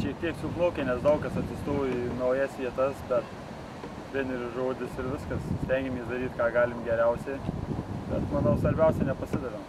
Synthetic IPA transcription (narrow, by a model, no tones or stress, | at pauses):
ʃʲiɛk̚t̪ʲiɛksʲuknˠoːkʲenʲɛsd̪ɐʊkɐsɐt̪ʲsʲɪst̪oːjnɐʊjɛsʋʲiɛt̪ɐsbʲɛt̪ | t̪ɾʲeɛnʲɪɾʲʊʒoːd̪ʲɪsɪɾʋʲɪskɐssʲt̪ʲɛŋʲɡʲɪmʲiːsd̪ɐɾʲiːt̪kɑːɡɑːlʲɪmɡʲɛɾʲɛʊsʲɛɪb̥ʲɛt̪mɐnɐʊsʋɐɾʲbʲɛʊsʲɛnʲɛpɐsʲɪd̪ɐʋʲom